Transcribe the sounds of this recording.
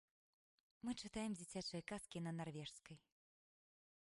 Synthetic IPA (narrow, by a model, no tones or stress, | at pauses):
mɨt͡ʂɨt̪ajɛmd͡zʲit͡sʲat͡ʂɨjɐkaskʲinɐnarvʲɛʂskɐj